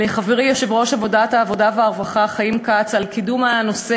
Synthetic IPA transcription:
leχaveʁijoʃevʁo̞ʃavo̞dataːvo̞daveaʁvaχaχajimkat͡salkidumano̞se

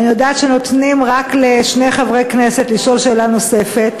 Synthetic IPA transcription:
anijodaːet̪ʃeno̞t̪nimʁakleʃne̞jχavʁejkne̞set̪liʃo̞lʃeːlano̞se̞fet̪

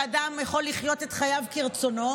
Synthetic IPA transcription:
adamjaχo̞lːiχjo̞tetχajavkiʁt͡so̞no̞

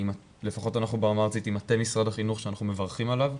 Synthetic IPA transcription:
ima | le̞faχo̞tanaχnubaamaʁsitimatemisʁadaχinuχʃeanaχnume̞vaʁχimalav

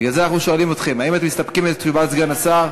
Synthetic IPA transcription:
ɡalzeanaχnuʃo̞alimot̪χe̞mhaimat̪emːist̪apkimezt̪ibatzɡanasaʁ

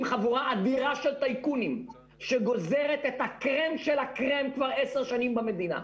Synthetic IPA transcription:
mχavuʁaʔad̪iʁaʃelt̪ajkunim | ʃeɡo̞ze̞ʁet̪et̪hakʁemʃelakʁemkvaʁeseʁʃanimbamed̪ina̰

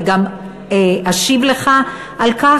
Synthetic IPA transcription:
ɡam | eʔaʃivleχa | ʔalka

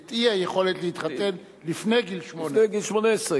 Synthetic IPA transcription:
t̪iajeχo̞let̪leit̪χat̪en | lifnejɡilʃmoneɡilʃmonesʁe

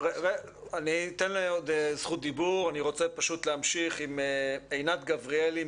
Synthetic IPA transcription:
ʁeʁe | anit̪enlaod̪zχut̪̚d̪ibuʁaniʁo̞t͡sepaʃut̪leamʃiχimeejnat̪ɡavʁieli

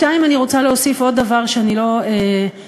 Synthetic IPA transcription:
taimaniʁo̞t͡saleosifo̞d̚ːavaʁʃeanilo̞e

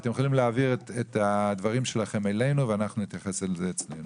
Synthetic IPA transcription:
t̪emjeχolimleaːviʁtet̪ad̪vaʁimʃe̞laχe̞mele̞jnuveanaχnunit̪jaχe̞selzet͡snḛjnu

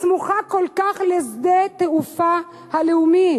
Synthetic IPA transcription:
smuχako̞lkaχlezd̪et̪eufa | haleumi

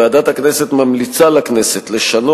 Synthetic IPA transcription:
aːd̪at̪hakneset̪mamlit͡salakneset̪leʃano

